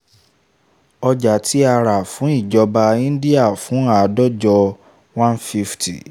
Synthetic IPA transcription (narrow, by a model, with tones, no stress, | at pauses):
ɔ˧d͡ʒa˨tʰi˦a˧ɾa˨fũ˨˦i˦˨d͡ʒɔ˧ba˧ĩ˦di˦a˦˨fũ˨˦a˦˨dɔ˦d͡ʒɔ˧ | wã˦nfi˦ftḭ˨